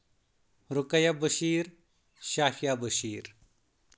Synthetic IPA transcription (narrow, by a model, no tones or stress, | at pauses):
ɾʊkɐjabɐʃiːɾ | ʃaːhijaːbɐʃiːɾ